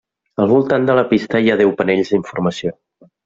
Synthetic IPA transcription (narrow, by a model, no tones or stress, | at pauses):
əlˠβulˠt̪and̪ələpist̪əiaðɛwpəneʎzðiɱfuɾməsio